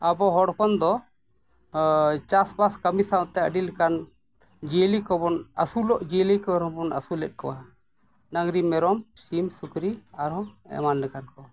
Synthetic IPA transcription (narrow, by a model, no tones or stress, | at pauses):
abɔɦɔɽpɔnd̪ɔ | t͡ʃasbaskəmisat̪ɛəɖilɛkan | d͡ʒilikɔbɔnəsulɔʔd͡ʒilikɔɾɔbɔnə̰sulɛt̪̚ˀkɔwa | naŋɡɾimɛɾɔmsimsukɾiaɾɔɛ̰manːɛkankɔ